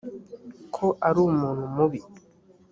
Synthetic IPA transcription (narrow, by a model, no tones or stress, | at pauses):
kʰɔʔaɾumonumobi